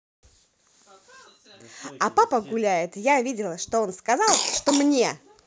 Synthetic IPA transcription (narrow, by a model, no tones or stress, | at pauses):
ɐpapəɡʊlʲæjɪt̪javʲidʲɪlˠəʂt̪o̞onskɐzɑlˠʂt̪o̞mnʲe̞